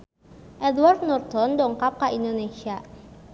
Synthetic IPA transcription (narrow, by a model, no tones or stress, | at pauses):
ʔɛdward̪̚nɔrt̪ɔndɔŋkap̚kaʔindonesia